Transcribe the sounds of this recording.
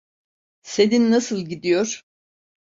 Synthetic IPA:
seninnasɯlˠɟid̪ijoɾ̥

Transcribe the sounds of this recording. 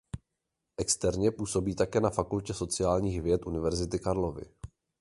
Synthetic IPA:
ʔɛkst̪ɛɾɲɛpuːso̞biːt̪akɛːnafakulcɛso̞t͡sɪjaːlɲiːɣvjɛt̪ʔunɪvɛɾzɪt̪ɪkaɾlo̞vɪ̰

